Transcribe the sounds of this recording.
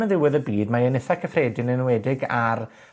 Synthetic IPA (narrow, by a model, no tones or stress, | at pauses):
əðɪwɪðəbiːdmaənɪθakʰəfreːdɪnənwɛdɪɡar